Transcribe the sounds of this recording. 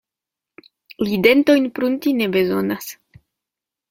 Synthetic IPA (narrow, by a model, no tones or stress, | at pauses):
lide̞nto̞jnpɾuntine̞be̞zo̞nas